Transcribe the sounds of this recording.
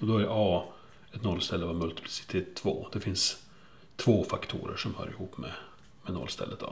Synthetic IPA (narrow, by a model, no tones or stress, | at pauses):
ɔd̪ɔæɾʔɑː | ɛt̪nɔlːst̪ɛlːəvamɵlt̪ɪ̥pʰlɪsɪ̥t̪ʰeːt̪ʰːv̥o̰ːd̪̥ɛfɪns | t̪ʰvoːfakt̪ʰṵːɾə̰ʂɔmhœ̰ːɾɪhuːpːmɛ | mɛnɔ̰lːst̪ɛ̰lːʔət̪ɑ̰